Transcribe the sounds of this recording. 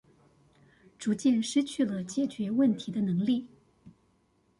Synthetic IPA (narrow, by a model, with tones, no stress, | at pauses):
ʈ͡ʂu˧˥t͡ɕjɛ˥˧nʂɻ̩˥t͡ɕʰy˥˩lə˩t͡ɕjɛ˥˩t͡ɕɥɛ˧˥wə˥˩nt̪ʰi˨˧˥d̪ə˧nɤ˧˥ŋli˥˩